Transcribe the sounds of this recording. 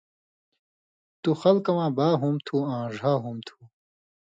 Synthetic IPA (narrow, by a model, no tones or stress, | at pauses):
t̪uxɐlkɐwãːbaːɦumt̪ʰuãːʐaːɦumt̪ʰu̥